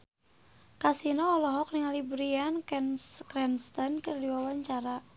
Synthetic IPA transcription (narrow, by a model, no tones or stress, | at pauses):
kasinɔːlɔɦɔk̚niŋalibɾianɛnkɾɛnst̪ɔnkərdiwawaɲt͡ʃaɾa